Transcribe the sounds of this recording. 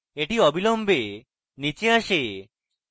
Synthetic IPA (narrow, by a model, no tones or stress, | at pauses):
eʈiɔbʱilɔmbe | nit͡ɕeaʃe